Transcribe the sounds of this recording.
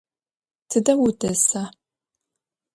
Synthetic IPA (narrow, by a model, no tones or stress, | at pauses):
tʰɨdɐwʊdʼɐsa